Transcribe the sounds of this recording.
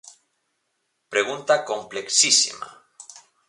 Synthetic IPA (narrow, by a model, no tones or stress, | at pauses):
pɾeɣunt̪ako̞mpleksisḭma̰